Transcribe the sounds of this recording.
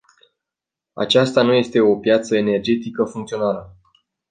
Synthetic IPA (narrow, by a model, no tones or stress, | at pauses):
a̰t͡ʃast̪anuje̞st̪e̞o̞pjat̪səene̞rd͡ʒe̞t̪ikəfuŋkt̪sio̞nalə